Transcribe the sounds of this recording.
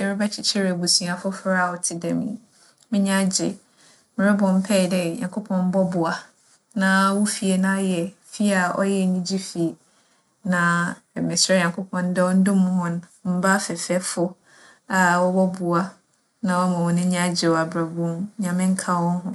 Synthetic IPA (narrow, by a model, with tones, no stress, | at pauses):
ɛ˨ɾɪ˦ba˦t͡ɕʰɪ˦t͡ɕʰɪ˦ɾɛ˨bu˨sĩ˨a˨fʊ˦fɾa˦˨ɔ˨tʰɪ˨dɛ˨mḭ̃˨ | mɪ̃˦ɲ˦ã˦d͡ʑɪ̰˨ | m˨a˦bʊ̃˨m̩˦pʰɛ˦˨dɛ˦˨ɲã̰˨ŋkʰo˦pʰɔ̃˦m˦bɔ˦bʊ˨a˨ | nã˨˦wʊ˦fi˨e˨nã˦jɛ˨fi˦a˨ɔ̰˦jɛ˦˨ɲĩ˦d͡ʑi˦fi˨ | nã˨ | mɪ̃˨sɛ˦ɲã˨ŋkʰo˦pʰɔ̃˦n˦dɛ˦ɔ˦n̩˦dʊ̃˦mʊ̃˦ɦʊ̃˦ñ˦m̩˦ba˦fɛ˨fɛ˦fʊ˦ | a˨wɔ˦bɔ˦bʊ˨a˦ | nã˨wɔ˦mã˨wɔ̃˨nɪ̃˦ɲã˦d͡ʑɪ˨wɔ˨a˨bɾa˨bʊ̃˦mɲã˨mɪ̃˦ŋ̩˦kʰa˦wɔ̃˦n˦ɦʊ̃˦